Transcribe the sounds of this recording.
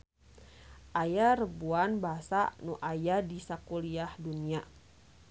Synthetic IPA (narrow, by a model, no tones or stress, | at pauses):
ʔajaɾəbuanbaɦasa̰nuʔajadisakuliahdunia